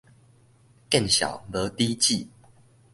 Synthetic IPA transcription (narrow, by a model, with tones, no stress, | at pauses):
kə˥˨nɕja̰˨˩wd̪ə˨˦t̪i˦t͡ɕi˥˨